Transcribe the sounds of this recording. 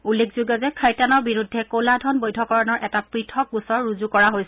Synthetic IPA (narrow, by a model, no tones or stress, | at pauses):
ulːekʰzuɡɔzɛkʰajtanɔɹbiɹudʱːɛkoladʱɔnbojdʱɔkɔɹɔnɔɹʔɛtapɹitʰɔkusɔɹɹuzukɔɹaɦojs